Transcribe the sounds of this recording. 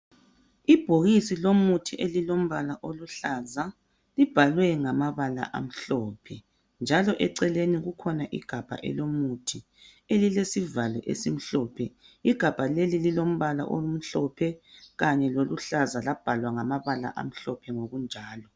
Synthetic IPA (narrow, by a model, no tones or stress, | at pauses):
ib̥ʱoɣisilomutʰiʔelilom̩βalaʔoluɬaza | lib̥ʱalwɛŋamaβala̰ʔa̰m̩ɬɔːpʰɛ | nd͡ʒʱalɔʔɛǀɛleniɣukʰɔnaʔḭɡ̥ʱab̥ʱa̰ʔɛ̰lomutʰi | elilesivalɔ̰ʔḛsim̩ɬɔːpʰɛ | iɡ̥ʱab̥ʱalelililom̩βala̰ʔo̰lum̩ɬɔpʰɛɣaɲɛloluɬazalab̥ʱalwaŋamaβala̰ʔa̰m̩ɬɔpʰɛŋoɣund͡ʒʱaːlɔ